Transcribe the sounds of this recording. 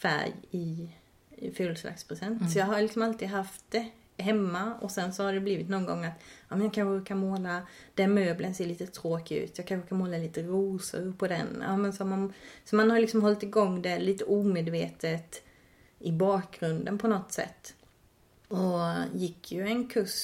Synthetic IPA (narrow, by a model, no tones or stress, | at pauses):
fæ̰ɾjɪ | føːlsla̰kspʰɾɛsɛnt̪sɔjɑːɡɦaɾlɪksɔmalt̪iːd̪ɦaft̪̚d̪ɛ | ɦɛmːaɔ̰sɛnsɔhaɖɛbliːvɪt̪nɔnɡɔ̰ŋːat̪ɑːmɛnjɑkʰanɧːkʰanmoːlad̪̥ɛnmøːblənseːɭiːt̪ət̪ʰɾoːkʉ̟̰ːt̪jɑkʰanɾkʰanmoːlaliːt̪əɾuːsə̰ɾpʰɔd̪ɛ̰na̰ːmɛnsɔmansɔmanhaɾlɪksɔmɦɔlt̪ɪɡɔŋːd̪ɛliːt̪əʔuːmeːd̪veːt̪ət̪ | ɪbɑːk̚ɡɾɵnd̪ənpʰɔnɔt̪sɛ̰t̪ː | ɔjɪkʰːjɵɛnkʰɵʂ